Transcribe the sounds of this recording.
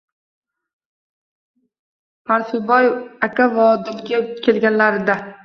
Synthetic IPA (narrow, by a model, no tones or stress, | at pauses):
pʰaɾsʊbɒjakʲavɒd̪ʊlɡʲakʲʰe̞lɡʲanlaɾɪd̪a